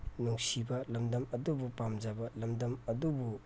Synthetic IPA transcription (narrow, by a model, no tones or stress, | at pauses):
nuŋsibɐlɐmdɐmɐdubupamzabɐlɐmdɐmɐdubu